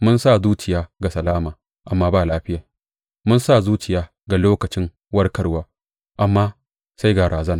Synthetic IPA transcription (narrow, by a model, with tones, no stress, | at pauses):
mʊ˦nsaː˦˨zuː˦t͡ʃɪ˨jaː˦ɡa˨sɐ˨laː˦maː˨ | ʔa˨mːaː˦baː˦˨laː˦ɸɪ˦jaː˨ | mʊ˦nsa˦˨zuː˦t͡ʃɪ˨jaː˦ | ɡa˨loː˦kɐ˨t͡ʃɪ˦ŋ | wɐ˦rkɐ˨ɽwaː˦ | ʔa˨mːaː˦ | sa˦jɡa˨ɾaː˨zɐ˦naː˨